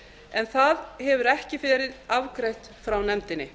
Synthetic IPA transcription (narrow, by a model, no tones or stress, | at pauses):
ɛnθaðhɛvʏɾɛhcɪfɛːɾɪðavkɾejht̪fɾawnɛmt̪ɪnːɪ̰